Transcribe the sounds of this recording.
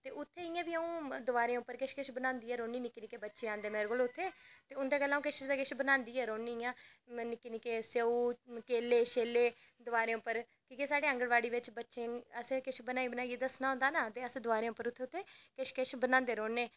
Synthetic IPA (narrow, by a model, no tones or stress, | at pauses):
t̪eːʔʊt̪ʰːeːɪjãːʋiːəũːd̪ʊʋaːɾẽːʊpːəɾkɪʃkɪʃbənãːnd̪iːɛːɾoːnːiːnɪkːinɪkeːbətːʃẽːaːnd̪eːmeːɾɡoːlʊt̪ʰːeːt̪eːʊnd̪eːkəlːaːũkɪʃɾd̪aːkɪʃbənãːnd̪iːɛːɾoːniːjãːnɪkːinikeːseuːkeːleːʃeːleː | d̪ʊʋaːɾẽːʊpːəɾ | kikesaːɽeːə̃ŋɡəɽʋaːɽiːʋɪt͡ʃbətːʃẽːəsẽkɪʃbənaːiːbənaːieːd̪əsnaːɦõːnd̪aːnat̪eːəsẽd̪ʊʋaːɾẽːʊpːəɾʊt̪ʰːeːʊt̪ʰːeːkɪʃkɪʃbənãːnd̪eːɾoːnːeː